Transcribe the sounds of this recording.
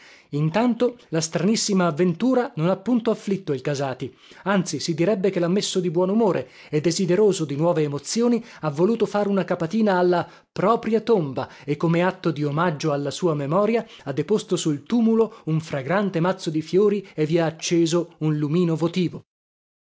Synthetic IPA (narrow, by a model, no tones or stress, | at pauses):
int̪ant̪olast̪ɾanisːimaːvːent̪uːɾanonapːunt̪oafːlit̪ːoilkazaːt̪i | ant̪sisid̪iɾɛbːekelːamːesːod̪ibwɔːnumoːɾʔe | ed̪ːezid̪eɾoːzod̪inwɔːveːmot̪sjoːniavːoluːt̪ofaːɾeunakapat̪iːnaːlːa | pɾɔːpɾjat̪omba | ekːomeat̪ːod̪iomad͡ʒːoalːasuːamemɔːɾja | ad̪ːepost̪osult̪uːmulouɱfɾaɡɾant̪emat̪sːod̪ifjoːɾievːiaːt͡ʃːeːzounlumiːnovot̪iːvo